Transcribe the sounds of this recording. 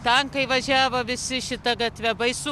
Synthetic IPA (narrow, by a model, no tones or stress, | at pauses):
t̪ɐŋkɐɪʋɐʒʲæːʋoʋʲɪsʲɪʃʲɪt̪ɐɡɐt̪ʲʋʲɛbɐɪsʊ